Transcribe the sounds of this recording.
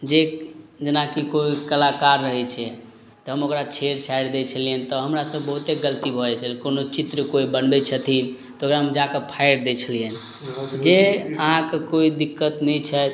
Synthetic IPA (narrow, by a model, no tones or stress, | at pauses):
d͡ʒed͡ʒənakikoikəlakaɾːəɦɛt͡ʃʰɛ | t̪ɔɦəmokɾat͡ʃʰeɾt͡ʃʰajɾd̪et͡ʃʰəliənt̪ɔɦəmɾasəbːəɦut̪eɡələt̪ibʱɔɛt͡ʃʰəlkonot͡ʃit̪ɾəkoibənbɛt͡ʃʰət̪ʰin | t̪ɔoɡɾaɦəmd͡ʒakepʰajɾd̪ɛt͡ʃʰəliən | d͡ʒeəɦãkekoid̪ikːət̪nɛjt͡ʃʰɛt̪